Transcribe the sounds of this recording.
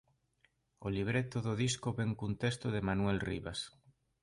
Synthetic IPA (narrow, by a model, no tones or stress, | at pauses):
oliβɾet̪oðoðiskoβeŋkunt̪est̪oðemanwelrḭβas